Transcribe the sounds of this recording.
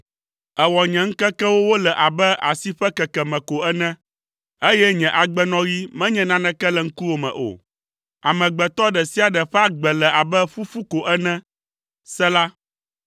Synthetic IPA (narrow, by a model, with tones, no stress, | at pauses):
ɛ˨wɔ˨ɲɛ̃˨ŋ̩˦kɛ˦kɛ˦wo˦wo˦lɛ˨ʔa˨bɛ˦ʔa̰˨si˦ɸɛ˦kɛ˨kɛ˨mɛ̃˨ko˨ɛ˦nɛ̃˦ | e˦jɛ˦ɲɛ̃˨ʔa˨ɡ͡bɛ˦nɔ̃˦ɣi˦mɛ̃˦ɲɛ̃˨nã˦nɛ̃˦kɛ˦lɛ˨ŋ̩˦ku˦wo˨mɛ̰̃˨ʔo̰˨ | a̰˨mɛ̃˨ɡ͡bɛ˨t̪ɔ˦ɖɛ˨si˦a˨ɖɛ˨ɸɛ˦a˦ɡ͡bɛ˨lɛ˨ʔa˨bɛ˦ɸu˦fu˦ko˨ʔɛ˦nɛ̃˦ | sɛ˦la˦